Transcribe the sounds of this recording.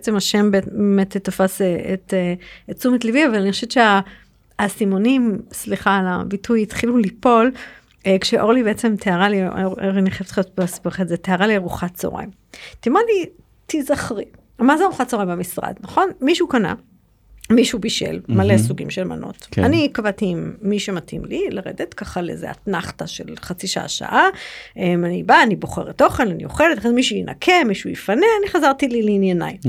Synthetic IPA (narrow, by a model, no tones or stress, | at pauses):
eet͡semaʃembemetetofaseeteat͡sumetliviavalaniχoʃetʃeaː | simonimsliχalabitujit̪χilulipo̞l | ekʃeʔo̞ʁlibeet͡semtʰeaʁalioʁiniχeft̪χot̪bsbaχetzeteaʁaliaʁuχatt͡so̰ʁa̰jm | timali | tizaχʁi | mazeʁuχatt͡soʁajmbamisʁa̰dnaχo̞nmiʃukana̰ | miʃubiʃḛlmalesuɡimʃelma̰nʔo̞̰t̪kanikavat̪iimːiʃematʰḭmlilaʁḛd̪et̪kaχalḛzḛa̰tnaχtaʃḛlχat͡siʃaʔa̰ʃa̰ʔaʔemanibaːnibo̞χeʁet̪o̞χelanḭoχelet̪aχemiʃuinʔa̰kʰe̞miʃujifaneaniχazaʁt̪ilileinjanaj